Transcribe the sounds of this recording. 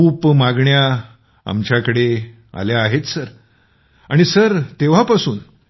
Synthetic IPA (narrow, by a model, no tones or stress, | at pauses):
uːpmaɡɳja | a̰mt͡ɕjakəɽe | a̰ljaːɦet̪səɾ | aɽ̃isəɾt̪eʋ̤apasuːn